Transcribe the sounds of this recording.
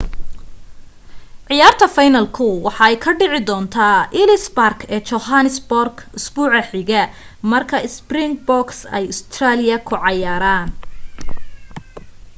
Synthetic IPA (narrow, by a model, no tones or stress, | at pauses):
ʕɪjaːrt̪ʰɐfɐjnɐlkʰʊwɑħɑɛjkʰɐɖɪʕɪd̪ɔːnt̪ʰaːʔɪlɪsbarkʰɛːt͡ʃɔhanɪsbɔrɡʊsb̥uːʕɐħɪɣɛ | mɐrkʰɐɪsbrɪŋbɔksɛ̰jʊst̪ʰraːlɪjɐkʰʊʕɑjaːɾaːn